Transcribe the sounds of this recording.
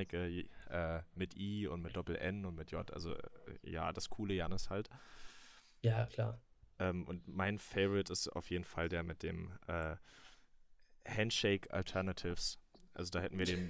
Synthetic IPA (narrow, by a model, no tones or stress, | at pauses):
ɪkəʔɛːmɪtʔiːʊ̰ntmɪt̚d̥ɔpl̩ʔɛ̰nʊntmɪtʰjɔtʔa̰lzo̰ja̰ːd̥askʰuːləjanəshalt | jakʰlaːʔɛːmʔʊ̰ntmaɪnfɛɪvɪtɪsta̰ʊfjeːdn̩faldeːɐmɪt̚d̥eːmʔɛː | hɛntʃɛɪkʰa̰ltʰɛɐnatʰɪfs | ʔa̰lzodaːhɛtn̩viːɐdeːm